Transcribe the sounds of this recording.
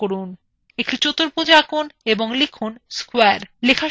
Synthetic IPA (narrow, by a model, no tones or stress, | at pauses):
oɾun | ek̚ʈit͡ɕot̪oɾpod͡ʑakuneboŋlikʰunskwaɾlekʰa